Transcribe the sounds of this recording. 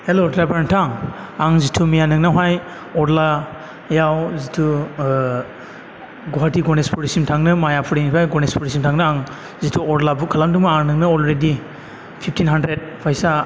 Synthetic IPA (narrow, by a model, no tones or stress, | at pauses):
helodlabaɾantʰaŋ | aŋzitʰumijanɯŋnawɦaj | ɔɾla | jawzitʰu | ɡɔɦatiɡɔnespʰuɾisimtʰaŋnɯmajapʰuɾinipʰajɡɔnespɔɾis̬imtʰaŋnɯaŋ | zitʰuɔɾlabukʰalamduŋmaaŋnɯŋnɯɔlɾedi | pʰip̚ʰtʰinɦandɾed̚pʰajsa